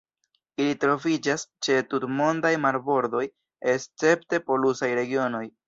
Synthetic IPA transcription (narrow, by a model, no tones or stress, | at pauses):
ilitɾo̞vid͡ʒast͡ʃe̞tutmo̞ndajmaɾbo̞ɾdo̞j | e̞st͡se̞pte̞po̞lusajɾe̞ɡio̞no̞j